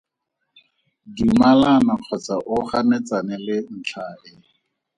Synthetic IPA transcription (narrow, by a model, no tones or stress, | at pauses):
dimalanaq͡χʰɔt͡saʔʊχamɛt͡sanɛlɪn̩t͡ɬʰaʔɪ